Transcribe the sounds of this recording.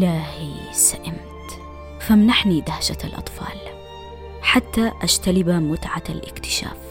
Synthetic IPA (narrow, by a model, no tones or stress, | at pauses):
laːhi | saʔɪmt̪ | famnaħnid̪ahʃaa̰lʔɑ̰t̪ˤfɑ̰ːl | ħat̪ːaʔaʃt̪alɪbamʊt̪ʕalʔɪkt̪ɪ̥ʃa̰ːf